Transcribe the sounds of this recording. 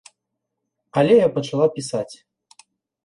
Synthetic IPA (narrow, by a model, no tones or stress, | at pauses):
aɐlʲɛjapɐt͡ʂalˠawpʲisat͡sʲ